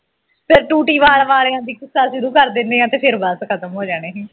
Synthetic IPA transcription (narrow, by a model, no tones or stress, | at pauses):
pʰɪɾʈuːʈiːʋaːlʋaːleːãːd̪iːkɪsːaːʃʊɾuːkəɾd̪ɪnd̪eːãːt̪eːpʰɪɾbəskʰət̪əmɦoːd͡ʒaːɽ̃eːɦĩː